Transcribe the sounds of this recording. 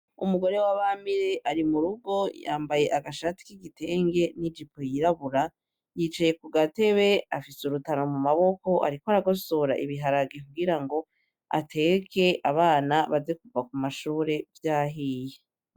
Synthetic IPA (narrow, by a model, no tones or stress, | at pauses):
umuɡo̞ɾe̞waβamiɾe̞ʔaɾimuɾuɡo̞ja̰ːmbaje̞ʔaɡaʃati̥kiɡitʰe̞ːŋɡe̞nid͡ʒipʰojiɾaβuɾa | jit͡ʃaje̞kuɡate̞βe̞afisuɾutaɾo̞mumaβo̞ko̞ʔa̰ɾikwaɾaɡo̞so̞ɾa̰ʔiβiɦaɾaɡekuɡiɾaŋɡo̞ | a̰tʰe̞kʰe̞ʔaβaːnaβazekuvak̚umaʃuːɾe̞vjaːɦiːje